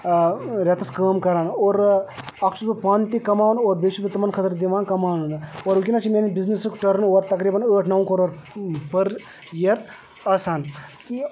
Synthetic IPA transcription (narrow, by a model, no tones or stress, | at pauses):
ɾʲɐt̪ɐskəːmkɐɾaːnoːɾɐkt͡ʃʰut̪ɐpaːnt̪ikɐmaːʋnoːɾbeʃubit̪ːɐmɐnkʰɐt̪ɾd̪iʋaːnkɐmaːʋnnoːɾʋukʲinat͡ʃʰimenibiznisɨkʈɐɾnoːɾt̪ɐkɾiːbɐnəːʈʰnɐwkoɾoɾpɐɾ | jeɾ | ɐsaːn